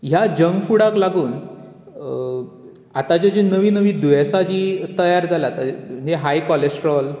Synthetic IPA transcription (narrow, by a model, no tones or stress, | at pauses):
ɦjad͡ʑəŋɡfuɽaklaɡuːn | at̪ad͡ʑad͡ʑenəʋiːnəʋiːd̪ujesad͡ʑiːt̪əjaɾd͡zalat̪am̤ə̃d͡ʑeɦajkɔlesʈɾɔl